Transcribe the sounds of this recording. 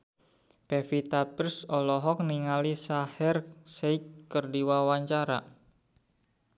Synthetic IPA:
pɛfit̪apərsɔlɔɦɔk̚niŋalisahɛrseikkərdiwawaɲt͡ʃaɾa̰

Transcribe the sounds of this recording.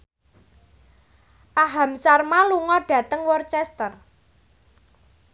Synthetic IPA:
ʔaɦamsarmaluŋɔɖ̥ä̤t̪əŋwɔrt͡ʃɛst̪ər

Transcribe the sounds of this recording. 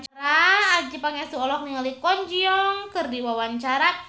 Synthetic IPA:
t͡ʃɾaːd͡ʒipaŋɛsuɔlɔk̚niŋalikɔɲd͡ʒiɔŋkərdiwawaɲt͡ʃaɾa

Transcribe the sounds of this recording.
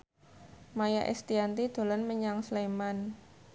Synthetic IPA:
maja̰ʔɛ̰st̪iant̪id̪̥o̤lənməɲaŋsleman

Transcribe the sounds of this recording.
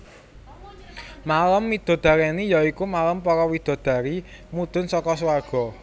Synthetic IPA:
maləmːid̪̥ɔ̤d̪̥a̤ɾɛnijɔikumaləmpɔɾɔwid̪̥ɔ̤d̪̥ä̤ɾi | mud̪̥ʊ̤nsɔkɔswarɡ̥ɔ̤

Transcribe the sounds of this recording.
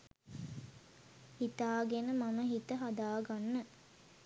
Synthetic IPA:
hit̪aːɡenəmaməɦit̪əɦad̪aːɡanːə

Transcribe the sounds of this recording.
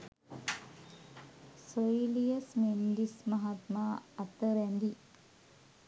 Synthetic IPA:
soilijəsmend̪ismɐɦat̪maːat̪əɾɛnd̪i

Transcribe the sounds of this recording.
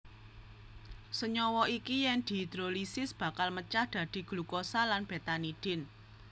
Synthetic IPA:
səɲɔwɔikijɛŋd̪̥i̤d̪̥ɾo̤lisɪsb̥ä̤kalmət͡ʃahd̪̥ä̤d̪̥i̤ɡ̥lukosalanb̥e̤t̪aniɖ̪̥ɪn

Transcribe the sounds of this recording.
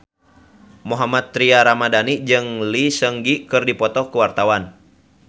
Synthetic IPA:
moɦamat̪ːɾiaɾamadanid͡ʒɨŋlisəŋɡikɨrdipɔt̪ɔkuwart̪awan

